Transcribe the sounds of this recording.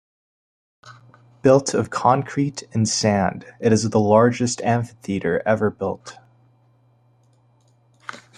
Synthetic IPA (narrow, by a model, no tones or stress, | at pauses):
b̥ɪlˠtʰʌv̥kʰɑ̃ŋkʰɹ̥iɾɨ̃nsæ̃ndɨɾɨzðəlɑɹd͡ʒɨstæ̃ɱfɨθiɾə˞ʔɛvə˞bɪlˠt